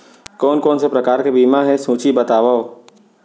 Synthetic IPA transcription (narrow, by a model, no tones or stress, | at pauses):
kɔːnkɔːnsepɾɐkaːɾkebiːmaɦɛsũːt͡ʃibɐt̪aːʋao